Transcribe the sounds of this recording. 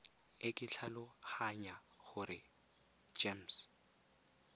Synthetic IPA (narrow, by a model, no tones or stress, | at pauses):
ɪkʼɪɬʰalʊhaɲaχʊɾɪ | d͡ʒems